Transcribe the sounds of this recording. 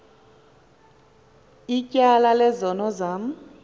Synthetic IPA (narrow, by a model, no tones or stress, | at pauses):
icʼalalɛzɔnɔzaːm̩